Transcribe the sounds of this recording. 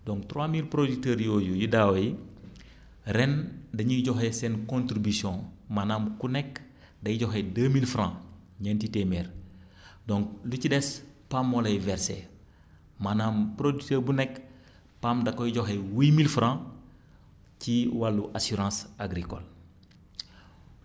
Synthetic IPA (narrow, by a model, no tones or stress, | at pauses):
dɔ̃ŋktɾwamilpɾoditɛːɾjoːjujudaːwji | ɾɛndɐɲuɟɔɦesɛnkõntɾibisjɔ̃manaːmkunɛk | dɐjiɟɔɦedəmilfɾã | ɲantitemɛːɾ | dɔ̃ŋk̚lucidɛspamːɔlɐjvɛɾsḛ | manaːmpɾoditəːɾbunɛk | pamdɐkɔjiɟɔɦewimilfɾã | ciwalːuʔasiɾãsaɡɾikɔ̰l